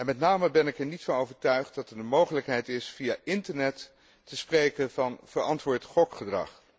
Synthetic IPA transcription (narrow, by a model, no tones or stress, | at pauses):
ɛnmɛtnaːməbɛnɪkɛɹnitfɑnowvəɹtœɥχt̚dɑtɛɹdəmowχələkɦɛjtɪsfijaːʔɪntəɹnɛtː | əsprejkəvɑnv̥əɹɑntʋʊːɹtχɔkχədrɑ̰χ